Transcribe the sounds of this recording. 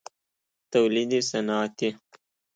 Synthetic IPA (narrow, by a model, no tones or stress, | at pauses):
t̪ɐwlid̪isɐnɑːt̪i